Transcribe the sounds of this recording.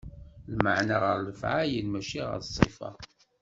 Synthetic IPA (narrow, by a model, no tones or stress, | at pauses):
lməʕnaʁəɾˤləfʕajənmæʃiʁə̰ɾsˤḭfɑ̰